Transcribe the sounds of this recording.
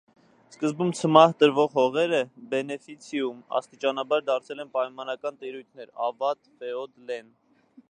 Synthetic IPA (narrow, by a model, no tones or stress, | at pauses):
skəzbumt͡sʰəmɑht̪əɾvɔʁhɔʁɛɾəbɛnɛfit͡sʰijumɑ̰st̪it͡ʃɑnɑbɑɾd̪ɑɾt͡sʰɛlɛnpɑjmɑnɑkɑnt̪iɾujt̪ʰnɛɾɑvɑt̪fɛɔd̪lɛn